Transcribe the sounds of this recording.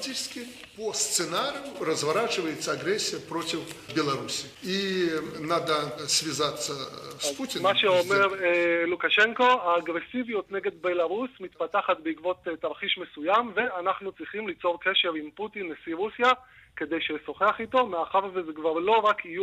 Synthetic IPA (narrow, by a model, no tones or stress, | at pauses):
tʲit͡ʃskʲi | post̪sɨnaɾʲijuɾəzvaɾat͡ʃɨvəjɪt̪səːɡɾɛsʲːijəpɾo̞tʲifbʲɛlˠɐɾusʲiinad̪əsʲvʲizat̪sːəsputʲɪnmaʃeome̞ʁelukaʃeŋko̞aːɡʁe̞sivijut̪ne̞ɡe̞d̪be̞laʁusmit̪pat̪aχat̪beikvo̞t̪t̪aʁχiʃme̞sujamveanaχnut͡sʁiχimlit͡so̞ʁke̞ʃe̞ʁimput̪inesiʁusija | ke̞d̪e̞jʃeso̞χeaχit̪o̞meaχaʁvezekvaʁlo̞ʁakiju